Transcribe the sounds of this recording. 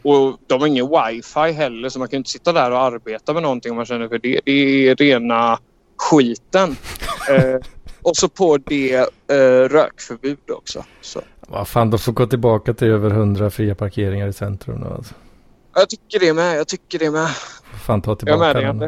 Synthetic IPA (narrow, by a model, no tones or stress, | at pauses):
ɔd̪ɔmaɾɪŋːənwajfajɦɛlːəɾʂɔmanŋkʰanʏnt̪əsɪt̪ːad̪æɾɔaɾbeːt̪amɛnɔnt̪ɪŋːɔmːanɕɛnːəɾfœɖɛd̪ɛːɾeːna | ɧiːt̪ən | ɔsɔpʰɔd̪ɛ | ɾø̰ːkfœɾbʉ̟ːd̪ɔ̰ksɔ̰ | sɔ̰va̰faːnd̪ɔmfoːɡoːt̪ɪlbɑːkat̪ʰɪløːvəɾɦɵnd̪ɾafɾiːapʰaɾkʰeːɾɪŋaɾɪsɛnt̪ɾɵ̰md̪ɔ̰a̰lsɔ̥ | ɑjɑt̪ʰʏkːəɖɛmɛjɑt̪ʰʏkːəɖɛmɛafaːnt̪ʰɑːt̪ɪljɑːmeːnaaan